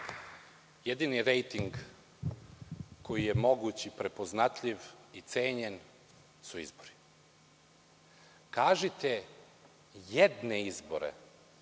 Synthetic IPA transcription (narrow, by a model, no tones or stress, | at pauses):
jed̪iniɾejt̪iŋɡ | ko̞jijemo̞ɡut͡ɕipɾe̞po̞znat̪ʎiʋit̪seːɲen | suḭzbo̞ɾi̥ | kaːʒit̪e | jed̪neizbo̞̰ɾḛ